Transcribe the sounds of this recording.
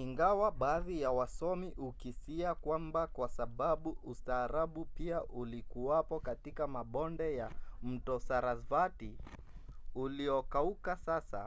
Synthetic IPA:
iŋɡawaɓaːðijawasɔmiʔukisiakwambakwasaɓaɓuustaːɾaɓupiaʔulikuwapɔkatikamaɓɔndɛjam̩tɔsaɾazvati | uliɔkaukasasa̰

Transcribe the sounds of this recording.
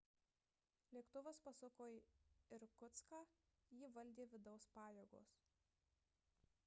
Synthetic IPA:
lʲeɛkt̪ʊʋɐspɐsɐkoːjɪɾkʊt̪skɑːjiʋɐlʲd̪ʲeːʋʲɪd̪ɒʊspɑːjeɡo̰ːs

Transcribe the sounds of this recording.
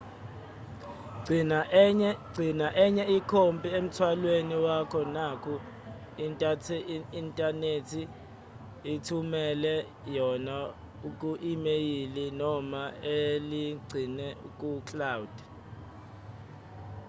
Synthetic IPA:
ɡ͡ǀʱinaʔɛɲɛikʰompʼiem̩tʰwalweniwakʰɔnakʰu | ntʼatʰintʼanetʰi | itʰumɛlɛ | jɔna | uk̬ʼuʔimejilinɔmaeliɡ͡ǀʱinɛukʼukʰlawud̥

